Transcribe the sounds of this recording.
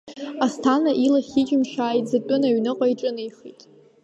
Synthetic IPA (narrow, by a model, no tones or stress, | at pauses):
astʰanaʔilaχʲit͡ʃʼɪmʃaːjtʼzatʷʼʊnaɥnɨqʷʼaiʈ͡ʂʼɨnɨjχitʼ